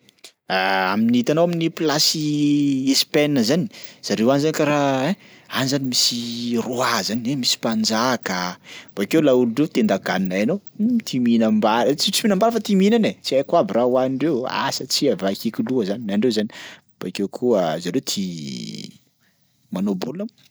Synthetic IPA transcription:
aaminiit̪anowaminiplasiespɛnːəzani̥z̥aɾewanzanikaɾaɛ | anzanimisiroazaniemisi̥pand͡ʒakəb̥akewlauluɳɖ͡ʐet̪end̪aɡaninaenot̪ʰiminambaɾt͡sit͡siminambaɾəfat̪iminanet͡siajkwabirawaɳɖ͡ʐewa̰sat͡siavakikiluəzaninaɳɖ͡ʐewzani | b̥akewkʰuəzaɾewt̪ʰi | manobolam

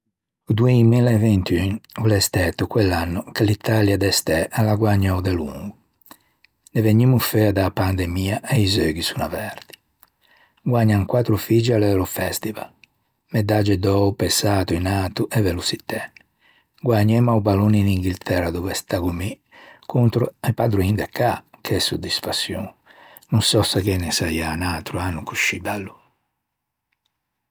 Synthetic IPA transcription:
ud̪uɛmilɛvɛnt̪ynulɛst̪ɛt̪ːukwɛlːanːukelit̪aljad̪ɛst̪ɛʔalaɡwaɲːɔwd̪ɛlṵŋɡu | nɛveɲːimufɛad̪apand̪ɛmiːaʔɛizøːɡisunavɛɾd̪i̥ | ɡwaɲːaŋkwat̪ɾufid͡ʒalɛɛlɔfɛst̪iva̰l | mɛd̪ad͡ʒɛd̪ɔupɛsaːt̪uinat̪uʔɛvɛlusit̪ɛnː | ɡwaɲːɛmaubaluniniŋɡilt̪ʰɛrad̪ɔvɛst̪akumi | kʰunt̪ɾuɛpad̪ɾuind̪ɛkːakʰɛsud̪ːisfasːjɔ̰ŋ | nunsɔsɛkɛnɛsaianat̪ɾuanːukuʃibalːu

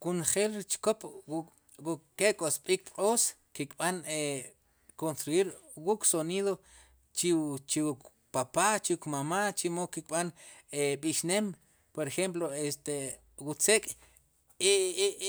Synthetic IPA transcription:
kunχelt͡ʃkop | wukekʼosɓiːk̚qʼos | kikʼɓane | konst̪ɾuiɾwukʼsoniːðo | t͡ʃit͡ʃiuk | papat͡ʃiukmamat͡ʃimokik̚ʼɓaneɓiʃnem | poɾexemp̬loest̪e | wut͡sekʼ | i

